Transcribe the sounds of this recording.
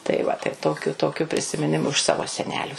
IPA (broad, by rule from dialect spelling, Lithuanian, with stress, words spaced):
tɐɪ ˈʋɐ tɐɪ ˈtoːkʲʊ ˈtoːkʲʊ pʲrʲɪsʲɪmʲɪˈnʲɪmʊ ɪʃ ˈsɑːʋoː sʲɛˈnʲæːlʲuː